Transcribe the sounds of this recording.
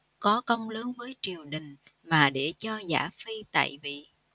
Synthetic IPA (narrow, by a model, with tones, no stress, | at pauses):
kɔ˨˦kə˧wŋ͡mləː˨˦nvəː˨˦jt͡ɕi˨˩əwɗï˨˩ŋ̟ | maː˨˩ɗe˧˩t͡ɕɔ˧za̰ː˧˩fi˧t̪a̰ː˧˨jvḭ˧˨